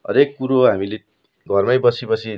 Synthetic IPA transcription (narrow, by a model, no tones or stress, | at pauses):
ʌ̰ɾekːuɾoɦamile | ɡʱʌrmajbʌt͡sʰipʌt͡sʰi